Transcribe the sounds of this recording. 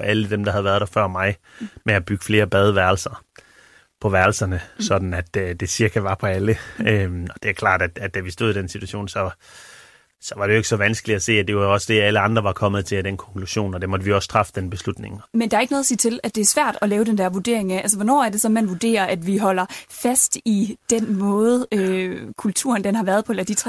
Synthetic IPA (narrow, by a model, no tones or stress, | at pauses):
ɒʔæləd̥emd̥ɑhæðˠʋæɐð̞̥ˠæfɶɐ̰mɑ̈ɪ | meæb̥yɡ̥ə̥fle̝ːɐb̥ɛð̞ˠəʋæɐl̩sɐ | pʰɒ̽ʋæɐl̩sɐnəsɒ̽d̥n̩æd̥d̥e̝siɐɡ̥ʰæʋɑ̈pʰɒ̽æləømɒ̽d̥e̝ʋækʰl̥ɑ̰̈ːd̥æd̥æ̥d̥æʋisd̥o̝ð̞̰ˠid̥ensit͡sʰuæɕo̝̰ːnsɒ̽ | sɒ̽ʋɑd̥eoeɡ̥sɒ̽ʋænsɡ̥əlidæse̝̰ːæd̥e̝ʋɑɒ̽səd̥e̝æləɑ̈nd̥ʁɐʋɑ̈kʰɒ̽mð̞̩ˠt͡sʰe̝læd̥enkʰɒ̽ŋkʰluɕo̝̰ːnɒd̥emɒ̽d̥əʋiɒ̽st͡sʰʁɑ̈fə̥d̥enb̥e̝slud̥ne̝ŋmend̥ɑ̈ɐe̝ɡ̥ənoːðˠsḭːt͡sʰe̝læd̥e̝æɐsʋæɐ̰d̥ɒ̽lɛːʊdend̥æɐ̰ʋuɐd̥e̝ɐe̝ŋææls̬əʋɒnɒ̰ːæɐd̥e̝sɒ̽n̩mænʋud̥e̝̰ːɐʔæd̥ʋiɦɒ̽l̰ɐfæsd̥id̥en̰mɔ̽ːð̩ˠøkʰult͡sʰṵɐnd̥enhɑ̈ʋæːɐðˠpʰɒ̽elɐd̥it͡sʰʁ